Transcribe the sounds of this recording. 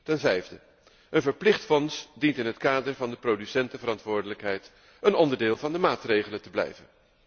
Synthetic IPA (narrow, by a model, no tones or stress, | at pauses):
tɛnvɛjvdə | ʔənvəɹplɪχtfɔnsdintɪnɦətkaːdəɹvɑndəprowdysɛntəvəɾɑntʋʊːɹdələkɦɛjt | ənɔndəɹdɪːlˠvɑndəmaːtrejχələntəblɛ̰jvə̰n